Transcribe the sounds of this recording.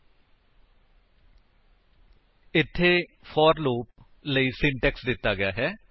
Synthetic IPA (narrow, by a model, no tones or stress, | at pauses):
ɪt̪ʰːeː | fʰɔːɾloːp̚ | ləiːsɪɳʈɛːksd̪ɪt̪ːaːɡɪjaːɦɛː